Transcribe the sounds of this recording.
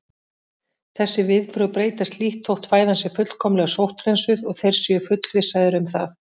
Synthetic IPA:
θɛsːɪvɪðpɾʏwpɾeːjt̪ast̪liht̪ʰːowht̪faːjðansɛɾfʏt̪l̥kʰɔmlɛɣasowht̪rejnsʏðɔɣθɛjɾ̥sʏfʏt̪lvɪsːaðɪɾʏmθaθ

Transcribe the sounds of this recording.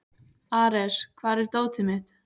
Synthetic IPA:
aːɾɛskʰvaːɾɛɾ̥t̪oːwt̪ɪmɪt̪

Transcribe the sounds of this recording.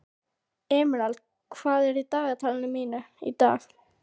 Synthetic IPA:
ɛːmɾalt̪ | kʰvaːðɛɾit̪aːɣat̪ʰaːlɪnʏmiːnaḭt̪a̰ːx

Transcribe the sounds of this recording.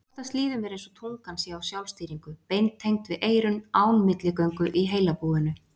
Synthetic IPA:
ɔt̪ast̪liːðʏmɛɾẽjnsɔt̪ʰowŋkansjɛawsjawlst̪iːɾiŋkʏpejnt̪ʰːejŋt̪vɪðʔeːjɾʏnaːwnmɪt̪lɪkœɥŋkʏʔiɦeːjlapuːðɪnʏ

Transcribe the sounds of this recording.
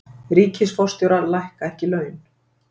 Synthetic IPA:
ɾiːcʰɪsfɔst̪jɔwɾaɾlajhkaɛhcɪlœːɥn

